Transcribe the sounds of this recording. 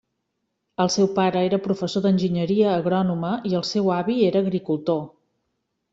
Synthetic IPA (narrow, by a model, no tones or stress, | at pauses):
əlˠsɛwpaɾəeɾəpɾufəsoðənʲʒiɲəɾiəːɣɾɔnuməiəlˠsewaβieɾəːɣɾikulˠt̪o